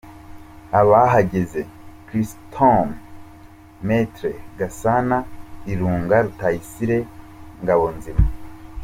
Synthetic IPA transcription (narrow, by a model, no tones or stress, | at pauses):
aβaɦaɟeze̞kɾistʰom | metɾeɡasanaɾiɾuːŋɡaɾutajisiɾe̞ | ŋɡaβonzima